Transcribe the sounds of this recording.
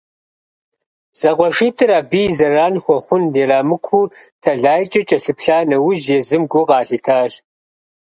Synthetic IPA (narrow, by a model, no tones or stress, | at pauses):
z̥ɐqʷɔʃiːtʰɨɾaːbiːzɐraːnxʷɔχʷʊndeːraːmɨkʷʰuː | tʰɐɮaːjt͡ʃʼɐt͡ʃʼɐɬɨpʰɬaːnɐwʊʒjeːzɨmɡʷʊqɑːɬiːtʰaːɕ